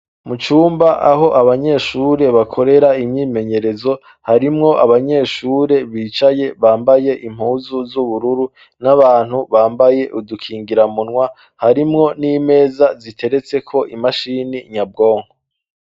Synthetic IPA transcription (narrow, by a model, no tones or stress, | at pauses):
mut͡ʃuːmbaʔaɦo̞ʔaβaɲe̞ːʃuːɾe̞βakʰo̞ɾe̞ɾaimɲiːme̞ɲe̞ɾe̞zo̞ | haɾimŋo̞ʔaβaɲe̞ːʃuːɾe̞βiːt͡ʃaje̞βaːmbaje̞ʔim̥huːzuzuβuɾuɾu | naβaːn̥huβaːmbaje̞ʔudukʰiːŋɡiɾamunŋwa | haɾimŋo̞niːme̞ːzazitʰe̞ɾe̞t͡se̞kʰo̞ʔimaʃiːniɲab̚ɡo̞ːŋho